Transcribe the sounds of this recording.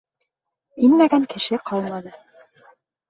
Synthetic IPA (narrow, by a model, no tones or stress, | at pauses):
inmæɡæŋkɘ̆ʃɘqʰɑlˠmɑnɤ